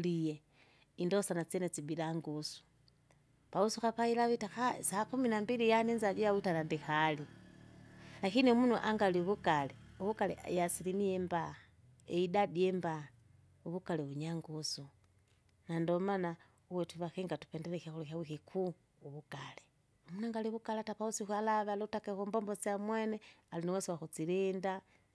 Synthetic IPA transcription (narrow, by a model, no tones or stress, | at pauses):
lije | indosanat͡senet͡sibilaŋɡusu̥ | pausuxapailaβitaxasakuminambilijanenzad͡ʒujawutanandixali | naxiniomunuʔaŋɡaliuβukaleuβukalḛjasilimijemba | eidadiemba | uβukaleβuɲaŋɡusu | nandomana | uwetuβaxiŋɡatu̥pendelexaxuluxawixikʰuː | βukale | omunaŋɡaliβukalatapausixualaβalotakexombombot͡siamwenealiniwesiwaxut͡silinda